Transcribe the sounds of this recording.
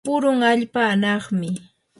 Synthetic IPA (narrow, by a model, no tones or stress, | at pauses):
ʊɾʊŋaʎpaːnɑχmɪ